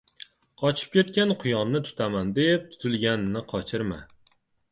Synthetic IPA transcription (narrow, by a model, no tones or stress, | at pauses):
qʰɒt͡ʃʰɪ̥p̚kʲe̞t̪kʲanqʰʊjɒmnɪt̪ʰʊ̥t̪ʰamand̪e̞p̚t̪ʰʊ̥t̪ʰɪlˠɡʲannɪqʰɒt͡ʃʰɪɾma̰